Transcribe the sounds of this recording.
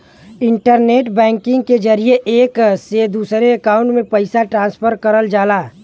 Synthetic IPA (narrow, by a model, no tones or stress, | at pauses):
ɪ̃ɳʈəɾneːʈbɛ̃ːŋkɪ̃ŋɡked͡ʒɐɾieʔeːksed̪uːsɾeɐkãːʊ̃ɳʈmẽpɐɪsaʈɾãːnspʰəɾkəɾəld͡ʒaːlaː